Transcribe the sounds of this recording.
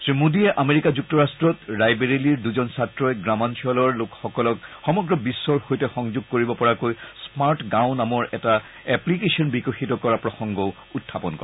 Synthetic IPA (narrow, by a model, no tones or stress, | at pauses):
sɹimudiɛʔameɹikazuk̚tɔɹastɹɔtɹajbeɹiliɹduzɔnsatɹɔjɡɹamansʰiɔlɔɹlokxɔkɔlɔkxɔmɔɡɹɔbisːɔɹhojtɛxɔŋzoɡ̚koɹibɔpɔɹakojsmaɹtɡaʊnamɔɹɛta | ɛplikesɔnbikoxitɔkɔɹapɹɔxɔŋɡɔʊ | utʰːapɔnkɔ̰